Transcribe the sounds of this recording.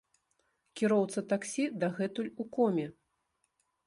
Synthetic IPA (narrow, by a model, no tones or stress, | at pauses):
kʲiɾɔwt̪sɐt̪aksʲid̪aɣɛt̪ulʲukɔmʲɛ